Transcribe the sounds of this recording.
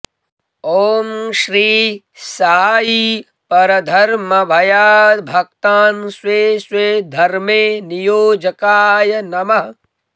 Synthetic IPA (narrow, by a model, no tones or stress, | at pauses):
oːmʃɾiː | saːji | pɐɾɐd̪ʱɐɾmɐbʱɐjaːbʱɐkt̪aːnsweːsweːd̪ʱɐɾmeːnijoːd͡ʒɐkaːjɐnɐmɐ